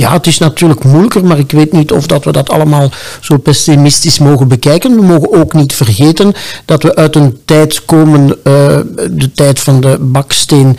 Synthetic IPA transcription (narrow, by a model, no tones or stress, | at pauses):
ja̰ːətɪsnɑtyːrləkmujləkərmaːrɪkʋeːtnitɔ̰fdɑtʋədɑtʰɑ̰ləmaːlˠz̥oːpɛsimɪstɪsmoːɣənbəkɛjkənʋəmoːɣənoːknitfərɣeːtənd̥ɑtʋəʔœɥtəntɛjtkoːmən | dətɛjtfɑndəbɑksteːn